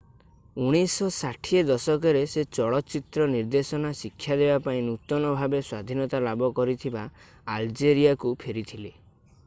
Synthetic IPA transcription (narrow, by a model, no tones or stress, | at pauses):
uɽ̃isɔsaʈʰied̪ɔsɔkeɾeset͡ʃɔɭɔt͡ʃit̪ɾɔniɾd̪esɔnasikʰːjad̪ebapaĩnut̪ɔnɔbʱabeswad̪ʱinɔt̪alabɔkɔɾit̪ʰiba | ald͡ʒeɾijakupʰeɾit̪ʰile